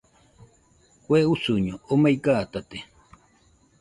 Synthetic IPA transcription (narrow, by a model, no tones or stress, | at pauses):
kʷeusuɲoomajkat̪at̪e